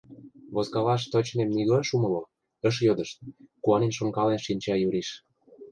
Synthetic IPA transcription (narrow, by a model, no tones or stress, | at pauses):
βozɣɑlɑʃ̬t̪ot͡ɕnemniɣoʃumɤ̆lo | ə̆ʃ̬jod̪ə̆ʃt̪kuɑnenʃoŋkɑlenʃinʲt͡ɕɑjyɾiʃ